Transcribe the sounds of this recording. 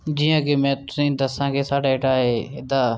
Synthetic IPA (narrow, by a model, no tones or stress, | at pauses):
d͡ʒiːjãːkeːmɛ̃ːt̪ʊsĩːd̪əsãːkeːsaːɽaːɪːʈaːɦeːɪd̪aː